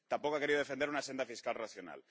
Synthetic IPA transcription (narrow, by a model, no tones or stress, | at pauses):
t̪ampokoake̞ɾiðoefend̪eɾunasend̪afiskalraθjona̰l